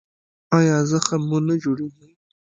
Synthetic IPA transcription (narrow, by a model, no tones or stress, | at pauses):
ɑjɑzəxamunad͡ʒoɽeɡi